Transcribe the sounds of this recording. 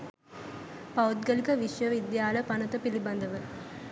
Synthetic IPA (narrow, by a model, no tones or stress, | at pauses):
pɐwd̪ɡɐlikɐʋiʃʋɐʋid̪jaːləpɐnɐt̪ɐpilibɐnd̪ɐʋə